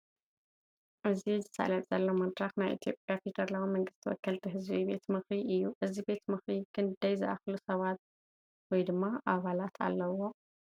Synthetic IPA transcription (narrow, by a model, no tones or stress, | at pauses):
ʔɨzizɨsa̰lɐt̪ʼz̥ɐlːomɐd̪ɾaxnajʔḭt̪ʰijo̞̰pʼjafit̪ʰɐɾlawimɐŋɡɨst̪ʰiwɔ̰kʰːɐlt̪ʰiɦɨzbibe̞t̪mɨxɾiʔɨjːuʔɨzibe̞t̪mɨxɾiɡɨnd̪ɐjzɨʔa̰xlusɐβat̪̚ | wɔjd̪ɨmːaʔaβalat̪ʰa̰lːɐwo̞